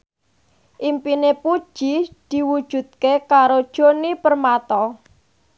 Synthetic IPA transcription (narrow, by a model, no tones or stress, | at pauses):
ʔimpinepud̥ʒ̥id̪̥i̤wud̥ʒ̥ṳd̪̚kekaɾod̥ʒ̥o̤nipərmat̪ɔ